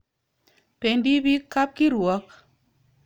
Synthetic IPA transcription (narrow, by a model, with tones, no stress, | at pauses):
pe˨ndi˦bi˦ka˦p̚ki˦ɾwɔ˨˦k̚